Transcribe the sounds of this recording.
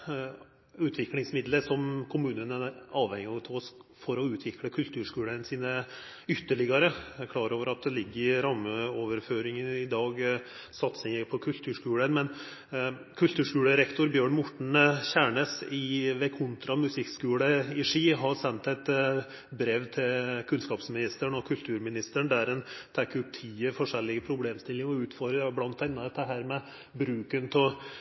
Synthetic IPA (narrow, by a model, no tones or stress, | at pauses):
ʉːt̪ʰʋɪklɪŋsmɪd̪ləɾsɔmkʰʊmʉːnənəɑːʋhɛŋɪɑt̪ʰɔsfɔɾɔʉːt̪ʰʋɪkləkʰʉlt̪ʰʉːʂkʉːlənsiːnə | ʏt̪ːəɭɪɡɑɾəækʰlɑːɾoːʋəɾɑt̪̚d̪ɛlɪɡːəɾɪɾɑmːəoːʋəɾføːɾɪŋənɪd̪ɑːɡ | sɑt̪sɪŋəpʰɔkʰʉlt̪ʰʉːʂkʉːlənmɛn | kʰʉlt̪ʉːʂkʉːɽəɾɛkt̪ʊɾbjøːɳmʊʈɳ̩çæːɳəsɪʋɛkʰʊnt̪ɾɑmʉsɪkskʉːləɪʂiːɦɑɾsɛnt̪ɛt̪ | bɾeːʋt̪ʰɪlkʰʉnskɑːpsmɪnɪst̪əɳɔkʰʉlt̪ʰʉːɾmɪnɪst̪əɳd̪æɾɛnt̪ʰɛːkːəʉp̚t̪ʰiːəfɔʂɛlːɪɡəpʰɾʊbleːmst̪ɪlːɪŋɔʉːt̪fɔɾɾəblɑnt̪ːɛnːɑd̪ɛt̪d̪əɦæːɾmɛ | bɾʉːkənpʰɔ